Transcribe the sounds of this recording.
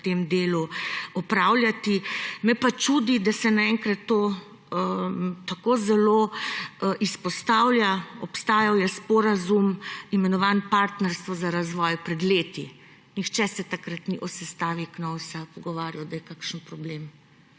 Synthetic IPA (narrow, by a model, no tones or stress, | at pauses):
t̪eːmd̪eːluɔpɾaːwljat̪imɛpat͡ʃud̪id̪asɛnaɛŋkɾat̪ːo | t̪akozɛloː | ʔispɔst̪aːwlʲjaɔpst̪aːjawjɛspɔɾazumimɛnɔʋanpaɾt̪nɛɾst̪ʋɔzaɾazʋɔːjpɾɛd̪leːt̪i | nixt͡ʃɛsɛt̪akɾat̪niʔɔsɛst̪aːʋiknɔwsapɔɡɔʋaːɾjɔd̪ajɛkakʃənpɾɔblem